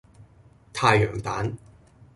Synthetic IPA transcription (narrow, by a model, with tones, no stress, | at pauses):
t̪ʰaː˧jːœː˨˩ŋt̪aː˨˥n